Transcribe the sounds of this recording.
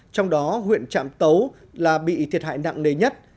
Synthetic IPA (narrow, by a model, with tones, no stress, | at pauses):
t͡ɕɔ˧wŋ͡mɗɔ˨˦ɦwḭ˧˨ənt͡ɕa̰ː˧˨mt̪ə˨˦w | laː˨˩ɓḭ˧˨t̪ʰi˨˩ət̚ha̰ː˧˨jna̰˧˨ŋne˨˩ɲə˦˥t̚